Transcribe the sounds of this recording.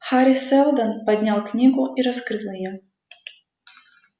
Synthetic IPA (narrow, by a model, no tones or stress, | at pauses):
xaɾʲisɛlˠd̪ɐnpɐd̪ʲnʲalˠknʲiɡʊʔiɾɐskɾɨlˠɐjɔ